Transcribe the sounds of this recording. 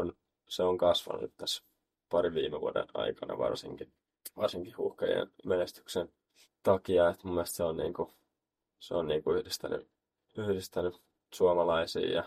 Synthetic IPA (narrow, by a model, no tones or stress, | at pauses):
on | seoŋkɑsʋɑ̰nṵt̪t̪æs | pɑriʋʋiːmeʋuodḛnɑ̰ikɑnɑ̰ʋɑ̰rsiŋki | ʋɑrsiŋkihhuhkɑjḛnmenest̪y̥ksen | t̪ɑkiɑet̪mumːielst̪seonnḭːŋku | seonniːŋkuyhdist̪æny̰ | yhdist̪æny | suɑmɑlɑisḭːjɑ